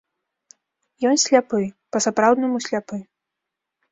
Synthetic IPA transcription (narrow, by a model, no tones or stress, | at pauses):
jɔnsʲlʲapɨ | pɐsapɾawd̪nɐmusʲlʲapɨ